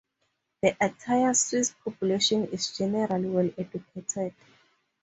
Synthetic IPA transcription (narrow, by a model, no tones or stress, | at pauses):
ð̥iʔɛ̃ntʰajastɹitspʰɔpʰjuleʃɔ̃nisd͡ʒɛnɛɹaliwɛlɛdukʰetʰɛd̥